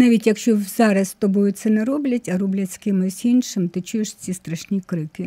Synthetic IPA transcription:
nɑʋʲitʲjɐkʃt͡ʃɔzɑɾɐst̪ɔbɔjʊsɛnɛɾɔblʲɐtʲɐɾɔblʲɐtʲskɪmɪzʲinʃɪmt̪ɪt͡ʃʊjeʃt͡sʲist̪ɾɐʃnʲikɾɪkɪ

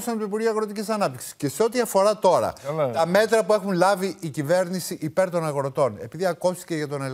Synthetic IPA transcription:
sɐnt̪oipuɾʝiuɐɣɾo̞t̪icisɐnɐp̚t̪iksi̥sceseo̞t̪iɐfo̞ɾɐt̪o̞ɾɐ̰lɐt̪ɐme̞t̪ɾɐpue̞xunlɐviicive̞ɾnisiʔipe̞ɾt̪o̞nɐɣɾo̞t̪o̞ne̞piðiɐkost̪i̥ceʝɐt̪o̞nel

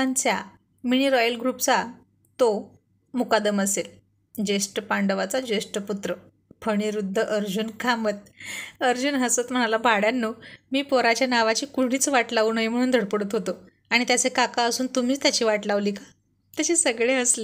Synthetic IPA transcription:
ant͡sja | miɽ̃iːɾɔjəlɡɾuːpt͡sa | t̪o | mukad̪əməsel | d͡ʑesʈpaɳɖəʋat͡sad͡ʑesʈput̪ɾə | pʰəɽ̃iɾud̪ʱːəʔəɾd͡ʑuːnkʰamət̪̚əɾd͡ʑuːnɦəsət̪m̤əɽ̃alabʱaɽjanːumiːpoɾat͡ɕjanaʋat͡ɕiːkuɽ̤̃iːt͡sʋaʈlaʋuːnaim̤əɽ̃uːnd̪ʱəɽpəɽət̪ɦot̪o | aɽ̃it̪jat͡sekakaəsuːnt̪um̤iːt͡st̪jat͡ɕiːʋaʈlaʋliːkḁ | t̪jat͡ɕiːsəɡɭeəsle

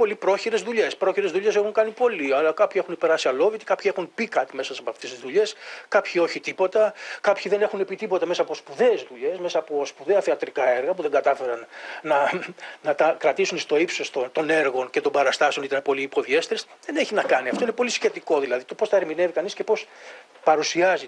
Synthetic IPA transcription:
po̞lipɾo̞çiɾe̞zðuʎe̞spɾo̞çiɾe̞zðuʎe̞se̞xuŋkɐnipo̞liɐlɐkɐpçiexunipeɾɐsiɐlo̞vit̪i̥kɐpçie̞xunpikɐt̪ime̞sɐssɐpoɐft̪est̪izðuʎe̞skɐpçio̞çit̪ipo̞t̪ɐkɐpçiðe̞ne̞xune̞pit̪ipo̞t̪ɐmesɐːpo̞spuðe̞ːzðuʎe̞sme̞sɐːpo̞spuðe̞ɐθeɐt̪ɾikɐeɾɣɐpuðe̞ŋɡɐt̪ɐfe̞ɾɐnnɐnɐt̪ɐkɾɐt̪isunst̪o̞ipsost̪ot̪o̞ne̞ɾɣo̞nce̞t̪o̞mbɐɾɐst̪ɐse̞o̞nit̪ɐnepo̞liːpo̞ðie̞st̪eɾesðe̞neçinɐkɐniɐft̪o̞inepo̞lisçe̞t̪iko̞ðilɐðit̪o̞po̞sθɐeɾmine̞vikɐnisce̞po̞s | pɐɾusiɐzi

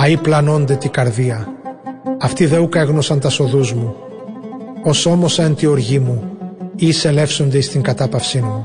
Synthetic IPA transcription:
ɐiplɐno̞nd̪e̞t̪iɡɐɾðiɐ | ɐft̪iðe̞uke̞ɣno̞sɐnt̪ɐso̞ðuzmu | o̞so̞mo̞sɐent̪io̞ɾʝimuise̞le̞fso̞nd̪eist̪iŋɡɐt̪ɐpɐfsinmu

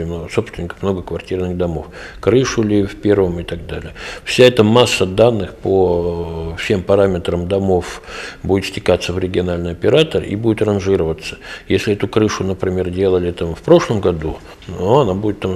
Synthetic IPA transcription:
oso̞pst̪vʲɪnʲɪkə̥mno̞ɡəkvɐrtʲirnɨɣd̪ɐmo̞fkɾɨʂʊlʲɪfʲpʲe̞rvəmɪt̪ɐɡ̚d̪alʲɪjəfsʲaɛt̪əmasːəd̪anːɨxpo | fsʲe̞mpɐɾamʲɪt̪ɾəmd̪ɐmo̞fbudʲɪt̪sʲtʲɪkat̪səvɾʲɪɡʲɪɐnalʲnɨɪjɐpʲɪɾat̪ərḭbudʲɪt̪rɐnʐɨɾəvət̪sːə̥jesʲlʲɪɛt̪ʊkɾɨʂʊnəpɾʲɪmʲe̞rdʲe̞lˠəlʲɪt̪amfpɾo̞ʂlˠəmɡɐd̪u | noɐnabudʲɪt̪ːam

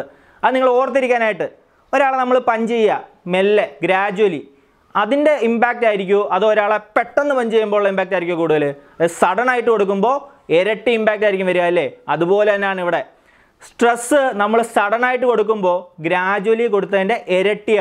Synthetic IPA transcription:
ɐðɨniŋːɐɭo̞ːrt̪ːiɾikʲːaːnaːjiʈːɨ | o̞ɾaːɭenɐmːɐɭpɐɲd͡ʑe̞jːɐ | melːeɡɾaːd͡ʑuwɐli | ɐðinde̞imbaːk̚taːjiɾikʲːuʔɐðooɾaːɭepe̞ʈːe̞nːɨpɐɲd͡ʑejːumbo̞ːuɭːɐimbaːk̚tːaːjɾikʲːujɐkuːɽuðɐlɐðɨsɐɽɐnaːjiʈːɨko̞ɽuk̬ːumbo̞ː | eɾɐʈːiimbaːk̚tːaːjiɾikʲːumʋɐɾujaːjɐlːeːɐðupo̞ːlet̪ɐnːeaːɳiʋiɽe̞ | sʈresːɨnɐmːɐɭsɐɽɐnaːjiʈːɨko̞ɽuk̬ːumbo̞ːɡɾaːd͡ʑuwɐliko̞ɽut̪̬ːɐðinde̞ʔeɾɐʈːi

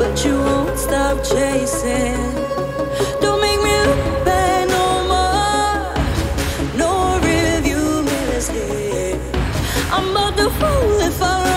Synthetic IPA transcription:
b̥ʌt͡ʃɨwɪstɑp̚t͡ʃʰeɪsɪ | n | d̥õʊ̃nmeɪk̚mibɛnoʊmɔ | noʊɹɪlʌvjumɪnɨsti | ʔãɪ̃mbʌt̪̚ðəfolɪfa

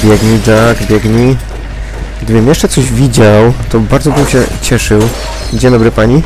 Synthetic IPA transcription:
bʲjɛɡɲid̪aɡbʲjɛɡɲi | ɡd̪ɘbɘmjɛʂt͡ʂɛt̪sɔʑvʲid͡ʑawt̪ɔbaɾd̪zɔbɘmɕɛ̰t͡ɕɛʂɘw | d͡ʑɛnd̪ɔbɾɘpaɲi

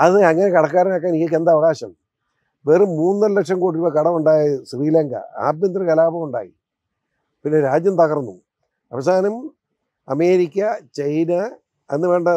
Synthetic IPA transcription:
ɐðɨɐŋːɐne̞kɐɽɐk̬ːaːɾɐnaːk̬ːaːnijok̬ːend̪ɐʋɐɣaːɕɐm | ʋeːrɨmuːnɨːɐllekʂɐmkoːɽiɾuʋːɐkɐɽɐmuɳɖaːjɐsriːlɐŋɡɐ̰a̰ːb̪̚jɐnd̪rɐkɐlaːbɐmuɳɖa̰ːjḭ | pinːe̞ɾaːd͡ʑjɐmt̪ɐɣɐrnːṵ | ɐ̰ʋɐs̬aːnɐm | ɐme̞ːɾikʲːɐt͡ɕɐjnɐ | ɐnːɨʋe̞ːɳɖɐ

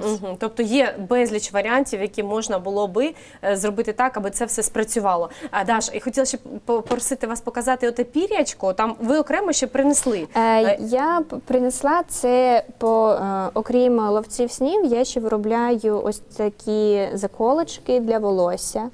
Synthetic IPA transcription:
m̩ɦ̩t̪ɔp̚t̪ɔjɛbɛzʲlʲit͡ʃʋɐɾʲɪanʲtʲiwjɐkʲimɔʒnɐbʊlˠɔbɪ | zrɔbɪt̪ɪt̪ɑkɐbɨt̪sɛwsɛspɾɐt͡sʲʊʋɑlˠɔd̪ɑʃxɔtʲilˠɐsʲɛpɔpɔɾɔsɪt̪ɪʋɑspɔkɐzɑt̪ɪɔt̪ɛpʲiɾʲɐt͡ʃkʊt̪ɑmʋɪɔkɾɛmɔʃt͡ʃːɛpɾɪneslˠɪjapɾɪneslˠɑt̪sɛpɔɔkɾʲimlˠɔwt͡sʲiwsʲnʲiwjaʃt͡ʃːɛʋɾɔblʲajʊʔɔ̰sʲt̪ɐkʲizɐkʰɔlˠɪt͡ʃkɪd̪lʲɐʋɔlˠɔsʲɐ

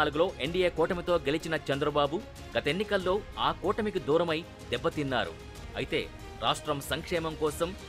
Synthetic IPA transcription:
aːluɡulo̞ːʔe̞ɳɖijeːkɔːʈɐmit̪o̞ːɡelit͡ʃinɐt͡ʃɛnd̪ɾɐbaːbu | ɡ̥ɐt̪ɐenːikɐlːo̞ːaːkɔːʈɐmikid̪uːɾɐmɐj | d̪ɛbːɐt̪inːa̰ːɾṵ | ɐ̰jit̪e̞̰ː | ɾa̰ːʂʈɾɐmsɐŋkʂɛːmɐmkɔːsɐm

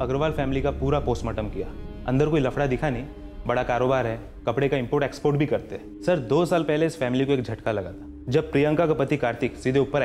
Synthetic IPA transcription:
ɐɡɾʋaːlfɛːmɪlikapuːɾapoːsʈmɐʈəmkija̰ːɐ̰̃nd̪əɾkoːilɐfʰɽad̪ɪkʰanɐĩ | bɐɽakaːɾoːbaːɾɦɛː | kɐpɽekaɪ̃mpoːɾʈeːkspoːɾʈbʱikɐɾt̪eɦɛ | sɐɾd̪oːsaːlpɛɦleɪsfɛːmɪlikoeːkd͡ʒʱɐʈkalɐɡa̰ːt̪a | d͡ʒɐb̚pɾijə̃ŋkakapɐt̪ikaːɾt̪ɪksid̪ʱeʊpːəɾ

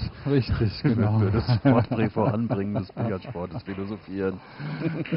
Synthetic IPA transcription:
ʁɪçtʰɪç̥ʊyɐdasʃpɔɐtb̥ʁɛːfoʁa̰nbʁɪŋəndəsb̥ijɐʃpɔɐtəsfilozofiːʁən

